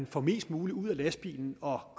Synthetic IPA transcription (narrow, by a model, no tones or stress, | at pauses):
nfɒ̽me̝̰ːsd̥muːliuð̰ˠælæsb̥ḭːln̩ɒ̽kʰ